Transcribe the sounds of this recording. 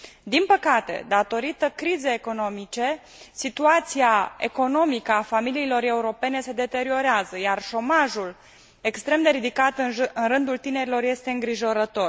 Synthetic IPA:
d̪inpəkat̪e̞̰d̪at̪o̞ɾit̪əkɾize̞ːko̞no̞mit͡ʃe̞ | sit̪uat̪siae̞ko̞no̞mikəafamiliːlo̞ɾe̞uɾo̞pe̞ne̞se̞d̪e̞t̪e̞ɾio̞ɾeazəjarʃo̞maʒul | e̞kst̪ɾe̞md̪e̞ɾid̪ikat̪ɨnrɨnd̪ult̪ine̞ɾilo̞rje̞st̪e̞ɨŋɡɾiʒo̞ɾət̪o̞r

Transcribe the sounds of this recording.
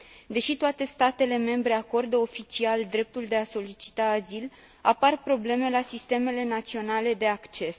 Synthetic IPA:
d̪e̞ʃit̪oat̪e̞st̪at̪e̞le̞me̞mbɾe̞ako̞rd̪əo̞fit͡ʃiald̪ɾe̞p̚t̪uld̪e̞aso̞lit͡ʃi̥t̪aːzil | aparpɾo̞ble̞me̞lasist̪e̞me̞le̞nat̪sio̞nale̞d̪e̞akt͡ʃe̞s

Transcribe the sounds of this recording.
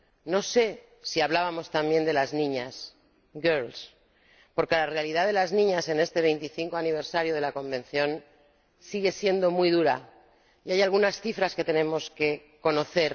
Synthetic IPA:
no̞se̞ | siaβlaβamo̞st̪ambje̞nd̪e̞laznĩɲas | ɡeɾls | po̞ɾke̞lare̞aliðaðe̞laznĩɲase̞ne̞st̪e̞βe̞jnt̪iθiŋko̞aniβ̞e̞ɾsaɾjoð̞e̞lako̞mbẽ̞nθjo̞n | siɣe̞sje̞nd̪o̞mujðuɾa̰ | iajalɣunasθifɾaske̞t̪e̞ne̞mo̞ske̞ | ko̞no̞θe̞ɾ

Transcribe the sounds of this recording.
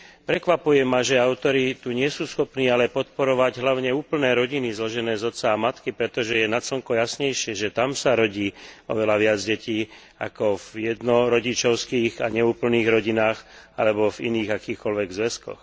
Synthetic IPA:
pɾɛkʋapujɛmaʒɛaʊt̪ɔɾit̪uɲɪɛsuːsxɔpniːalɛpɔt̪̚pɔɾɔʋaɟɦlaʊɲɛuːpl̩nɛːɾɔɟinizlɔʒɛnɛːzɔt̪saːmat̪kipɾɛt̪ɔʒɛjɛnasɔŋkɔjasɲɛjʃɪɛʒɛt̪amsaɾɔɟiːɔʋɛlaʋɪad͡zɟɛciː | a̰kɔvjɛd̪nɔɾɔɟit͡ʃɔʊskiːɣaɲɛuːpl̩niːɣɾɔɟinaːxa̰lɛbɔvḭniːɣakiːxkɔlʋɛɡzʋɛskɔ̰x

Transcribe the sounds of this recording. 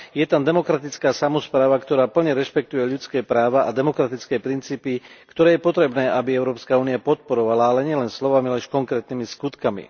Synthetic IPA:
jɛt̪and̪ɛmɔkɾat̪it͡skaːsamɔspɾaːʋakt̪ɔɾaːpl̩ɲɛɾɛʃpɛk̚t̪ujɛʎut͡skɛːpɾaːʋaʔad̪ɛmɔkɾat̪it͡skɛːpɾint͡siːpikt̪ɔɾɛːjɛpɔt̪ɾɛbnɛːabiɛʊɾɔːpskauːniapɔt̪̚pɔɾɔʋalaalɛɲɪɛlɛnslɔʋamilɛʃkɔŋkɾɛːt̪nimiskut̪kamḭ

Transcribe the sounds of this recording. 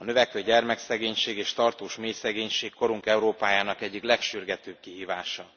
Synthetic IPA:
ɒnø̞vɛkʋøɟɛrmɛksɛɡeːɲʃeːɡeːʃt̪ɒrt̪oːʃmeːjsɛɡeːɲʃeːkkːo̞ɾuŋkɛuɾoːpaːjaːnɒkɛɟːiklɛkʃyrɡɛt̪øːb̚kiɦiːvaːʃɒ

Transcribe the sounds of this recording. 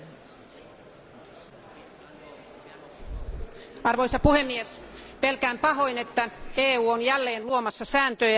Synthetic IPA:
ɑrʋoisɑpuhemːiespelkæːmpɑɦoinet̪ːæeːuːonjælːeːnluomɑsːɑsæːnt̪øː

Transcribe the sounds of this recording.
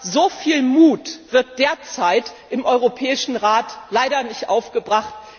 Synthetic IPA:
zofiːlmuːtv̥ɪɐt̚d̥eːɐt͡saɪtʔɪmʔɔʏʁopʰɛːɪʃn̩ʁaːtlaɪɾɐnɪçtʔaʊfɡ̥əbʁaχt

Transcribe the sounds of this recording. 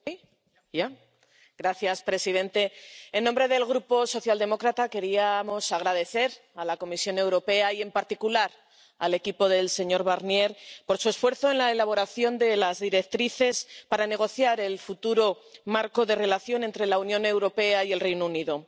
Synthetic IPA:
a | ɡ̥ɾaθjaspɾe̞sið̞ẽ̞nt̪e̞enːombɾe̞ðe̞lɣɾupo̞so̞θjald̪e̞mo̞kɾat̪ake̞ɾiamo̞saɣ̞ɾað̞e̞θe̞ɾ | alako̞misjo̞ne̞wɾo̞pe̞aje̞mpaɾt̪ikulaɾ | a̰le̞kipo̞ðe̞lse̞ɲo̞ɾβaɾnje̞ɾpo̞ɾsue̞sfwe̞ɾθo̞e̞nlaelaβo̞ɾaθjo̞nd̪e̞lazðiɾe̞k̚t̪ɾiθe̞spaɾane̞ɣ̞o̞θjaɾe̞lfut̪uɾo̞maɾko̞ðe̞re̞laθjo̞ne̞nt̪ɾe̞launjõ̞ne̞wɾo̞pe̞aie̞lre̞jnouniðo

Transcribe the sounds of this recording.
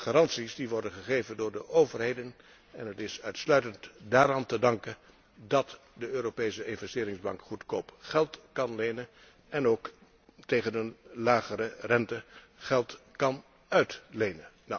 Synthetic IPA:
χaːrɑntsisdiʋɔɹdənχəχejvəndʊːɹdəʔowvəɹrɦejdən | ɛnɦətɪsœɥtslœɥtəntdaːɾantədɑŋkən | dɑt | dəøːɾopejsəɪnvɛstɪːɾɪŋzbɑŋkχutkowpχɛlˠtkɑnlejnən | ɛnowk | tejχənənlaːχərərɛntə | χɛlˠtkɑn | œɥtlejnənna

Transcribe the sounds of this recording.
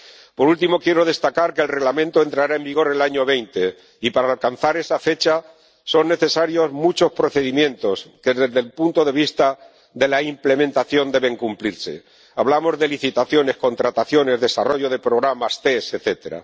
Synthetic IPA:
po̞ɾult̪imo̞kje̞ɾo̞ð̞e̞st̪akaɾke̞lre̞ɣlamẽnt̪o̞e̞nt̪ɾaɾae̞mbiɣ̞o̞ɾe̞laɲo̞β̞e̞jnt̪e̞ | ipaɾaːlkan̟θaɾe̞safe̞t͡ʃa | so̞nːe̞θe̞saɾjo̞zmut͡ʃo̞spɾo̞θe̞ðimjẽ̞nt̪o̞ske̞ðezðe̞lpunt̪o̞ðe̞β̞ist̪a | ðe̞laimple̞mẽnt̪aθjo̞nd̪e̞βe̞ŋkumpliɾse̞̰ | aβ̞lamo̞zðe̞liθit̪aθjo̞ne̞sko̞nt̪ɾat̪aθjo̞ne̞zðe̞saro̞ʝo̞ð̞e̞pɾo̞ɣ̞ɾamast̪e̞se̞θe̞t̪e̞ɾa̰

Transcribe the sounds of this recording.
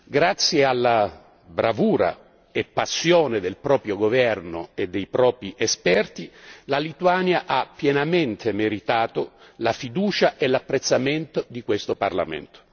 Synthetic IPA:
ɡɾat̪sːjealːa | bɾavuːɾa̰ | epːasːjoːned̪elpɾɔːpɾjoɡovɛrnoed̪ːejpɾɔːpɾiʔɛspɛrt̪ilalit̪uanjaʔapːjɛnament̪ʰemeɾit̪aːt̪olafid̪uːt͡ʃaʔelːapːɾet̪sːament̪od̪ikwest̪opa̰rla̰mḛnt̪o̥

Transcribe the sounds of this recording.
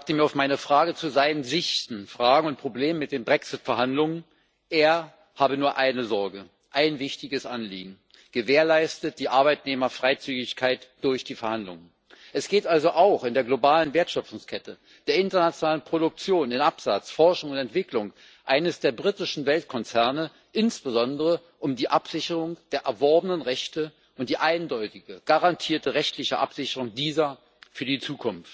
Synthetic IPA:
k̚təmiːɐaʊfmaɪnəfʁ̥aːɡət͡suzaɪnənzɪçtn̩fʁ̥aːɡŋ̩ʊnt̚pʁ̥obleːmənmɪt̚d̥eːnbʁɛksɪtfɛɐhandlʊŋən | ʔeːɐ | haːbənuːɐʔaɪnəzɔɐɡə | ʔaɪnvɪçtɪɡəsʔanlḭːɡŋ̩ | ɡ̥əveːɐlaɪstət̚d̥iːʔaɐbaɪtneːmɐfʁ̥aɪt͡syːɡɪçkʰaɪtd̥ʊɐçd̥iːfɛɐhandlʊ̰ŋən | ʔɛsɡ̥eːtʔalzoʔaʊxɪndeːɐɡlobaːlənveːɐtʃœp͡fʊŋskʰɛtə | d̥eːɐɪntɐnat͡sjonaːlənpʁ̥odʊk̚t͡sjoːnɪnʔapz̥at͡sfɔɐʃʊŋʊntɛntv̥ɪklʊŋ | ʔaɪnəsd̥eːɐbʁitɪʃn̩vɛltkʰɔnt͡sɛɐnə | ʔɪnsb̥əzɔndəʁə | ʔʊmdiːʔapz̥ɪçəʁʊŋd̥eːɐʔɛɐvɔɐbənənʁɛçtə | ʔʊnt̚d̥iːʔaɪndɔʏtɪɡəɡ̥aʁantʰiːɐtəʁɛçtlɪçəʔa̰pz̥ɪçəʁ̞ʊŋdiːzɐ | fyːɐdiːt͡suːkʰʊnft

